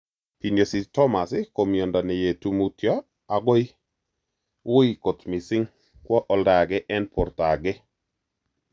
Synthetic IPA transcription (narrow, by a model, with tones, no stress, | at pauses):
pi˨no˨si˨tɔ˦ma˨sɪ˦ko˨mjɔ˨nda˨nɛ˨je˨tu˦mu˦tjɔ˦ | a˨ɡɔ˦i˦ | wʊ˦i˨ko˨tmɪ˨sɪ˦ŋ | kwɔ˦ʔɔ˦lda˨ɡɛ˦ʔɛ˦npʰo˨rta˨ɡɛ˦